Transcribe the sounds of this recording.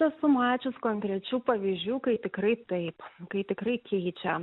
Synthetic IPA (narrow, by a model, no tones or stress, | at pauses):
ɐsʊmɑːt͡ʃʲʊskoŋʲkɾʲɛt͡ʃʲuːpɐʋʲiːzʲd͡ʒʲuːkɐɪt̪ʲɪkɾɐɪt̪ɐɪpkɐɪt̪ʲɪkɾɐɪkʲɛɪt͡ʃʲɛ